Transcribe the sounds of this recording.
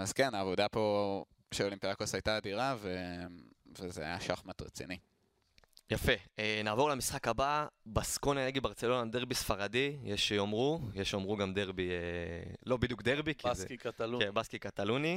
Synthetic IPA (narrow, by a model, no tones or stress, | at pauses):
azkenaːvod̪apo̞ | ʃeolimpiʁakosajtaːdiʁave | vezeajaʃaχmat̪ʁḛt͡sḭni | jafe̞enaːvo̞ʁlamisχakababaskonaneɡibaʁt͡se̞lo̞nad̪e̞ʁbisfaʁadijeʃeomʁujeʃomʁuɡamd̪e̞ʁbielo̞bid̪juk̚d̪eʁbikʰizkat̪alebaskikat̪aluni